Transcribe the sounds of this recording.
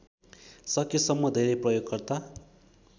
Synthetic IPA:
sʌkisʌmːʌd̪ʱeɾʌjprʌjoɡ̚kʌrt̪a

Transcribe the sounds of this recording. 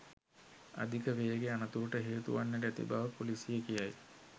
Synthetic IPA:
a̰d̪ʱikəʋejəɡeanət̪uɾuʈəɦeːt̪ṵʋanːeʈ̬əæt̪ḭbaʋəpolisijekijaj

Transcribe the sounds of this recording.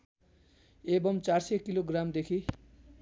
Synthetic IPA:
ebʌmt͡sarsekiloɡramd̪ekʰi

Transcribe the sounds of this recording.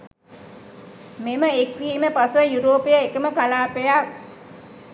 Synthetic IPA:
meməekʋiːməpasuʋəjuɾoːpejaekəməkalaːpejak

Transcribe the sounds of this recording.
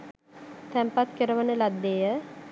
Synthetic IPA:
t̪ɛmpat̪kəɾəʋənəlad̪ːejə

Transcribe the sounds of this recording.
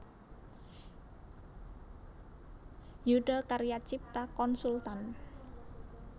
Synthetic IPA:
juɖəlkaɾijat͡ʃip̚t̪akɔnsult̪an

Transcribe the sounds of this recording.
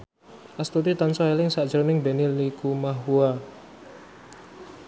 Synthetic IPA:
ʔast̪ut̪it̪ansɔelɪŋsad̥ʒ̥ɾonɪŋbenilikumaɦua

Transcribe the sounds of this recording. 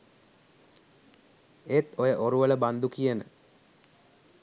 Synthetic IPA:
et̪ojəʔoɾuʋələband̪ukijənə̰

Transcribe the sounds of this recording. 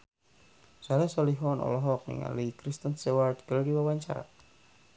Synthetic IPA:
salasɔliɦɔnɔ̰lɔɦɔk̚nḭŋa̰likɾist̪ənsewart̪kəldiwawaɲt͡ʃa̰ɾa̰

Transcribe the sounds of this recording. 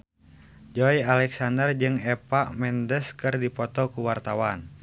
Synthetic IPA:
d͡ʒɔialɛksandərd͡ʒɨŋɛpaʔmɛndəskɨrdipɔt̪ɔkuwart̪awan

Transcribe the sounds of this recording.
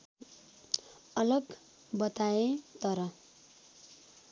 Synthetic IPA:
ʌlʌɡ | bʌt̪aet̪ʌɾʌ

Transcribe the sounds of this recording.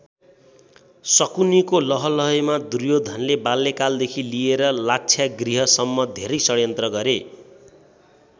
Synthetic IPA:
sʌkunikolʌɦʌlʌɦʌmad̪urjod̪ʱʌnlebalːekald̪ekʰilieɾʌlak̚t͡sʰjaɡriɦʌsʌmːʌd̪ʱeɾʌjsʌɽjʌnt̪rʌɡʌɾe

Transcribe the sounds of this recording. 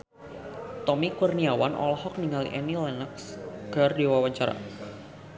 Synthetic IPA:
t̪ɔmikurniawanʔɔ̰lɦɔk̚niŋalḭʔɛnilɛnəksɡ̥ardewawaɲt͡ʃaɾa̰

